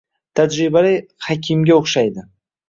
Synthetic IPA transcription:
t̪ʰad͡ʒɾɪbalɪjhakʲʰɪmɡʲaoχʃajd̪ɪ

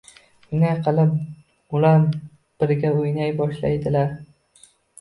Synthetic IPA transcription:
ʊnajqʰɨlɪ | ʊlaɾ | b̥ɪɾɡʲaojnajbɒʃla̰jd̪ɪlaɾ

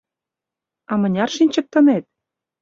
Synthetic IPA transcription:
ɑmɤ̆nʲɑrʃinʲt͡ɕə̆k̚t̪ɤ̆net̪̚

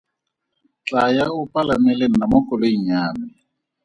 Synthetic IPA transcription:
t͡ɬʼajaʊpʼalamɛlen̩namɔkʼɔleŋiɲaːmɪ

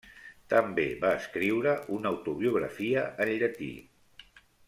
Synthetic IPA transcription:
t̪əmbeβaəskɾiwɾəʔunəwt̪uβ̞iuɣ̞ɾə̰fiəʔəʎʎət̪ḭ

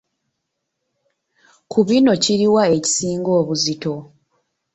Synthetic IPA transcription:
kuβino̞ciɾiwae̞ci̥siːŋɡo̞ːβuzito̞

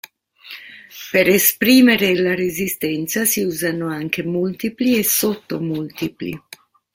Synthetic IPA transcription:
peɾespɾiːmeɾelaɾezist̪ɛnt̪sasiuːzanoaŋk̟emult̪ipliesot̪ːomult̪iplḭ

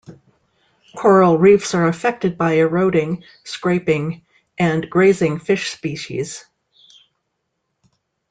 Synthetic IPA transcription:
kʰɔɹl̩ˠɹifsə˞ɨfɛk̚tɨd̚baɪɨɹoʊɾɪ̃ŋ | skɹeɪpɪ̃ŋ | ʔɨ̃nɡɹeɪzɪ̃ŋfɪʃspiʃḭz̥

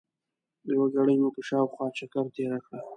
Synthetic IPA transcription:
jəwaɡaɽəjmupəʃɑwxwɑt͡ʃakamt̪eɾakɽa

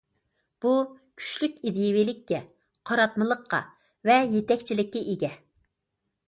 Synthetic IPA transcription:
b̥ukʲʰy̥ʃlykʲid̪ɪjewɪlɪkʲːɛ | qʰɑɾɑt̪mɨlˠəqːɑ̰ | vɛjet̪ɛkʲt͡ʃʰilɪkʲːɛʔeɡʲɛ

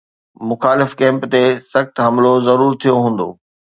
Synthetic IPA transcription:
mʊxaːlɪfkɛ̃ːmpt̪esɐxt̪ɦɐmlozɐɾuːɾt̪ʰijoɦũːn̆d̪o̰ː

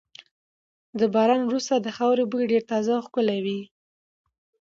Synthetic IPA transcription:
d̪əbɑɾɑnwɾust̪ad̪əxawɾebəɖeɾt̪ɑzɑxkʊlawi

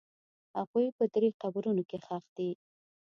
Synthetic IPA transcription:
haɣujpəd̪ɾeqabɾunokexaxd̪i

